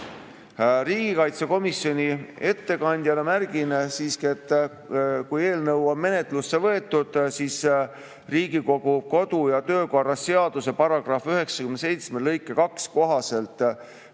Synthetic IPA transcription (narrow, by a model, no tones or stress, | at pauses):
riːɡ̥ikɑjt̪seko̞misjo̞nʲie̞t̪ːe̞kɑnʲd̪̥ʲjɑlemæɾɡ̥insiːskiet̪ːˑ | kuje̞ːlnɤwonme̞ne̞t̪lusːe̞vɤ̞e̞t̪ːˑud̪̥siːs | riːɡiko̞ɡ̥uko̞d̪̥ujɑt̪ø̞ːko̞rɑsːe̞ɑd̪̥use̞pɑɾɑɡ̥rɑfyɦe̞ksɑkymnese̞jt̪smelɤjkːˑekɑksko̞ɦɑse̞lt̪ˑ